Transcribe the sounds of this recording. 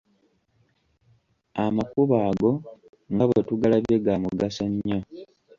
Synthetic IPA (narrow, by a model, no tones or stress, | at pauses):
amakuβaːɡo̞ | ŋɡaβwe̞tuɡalaβjeɡamuɡasoɲːo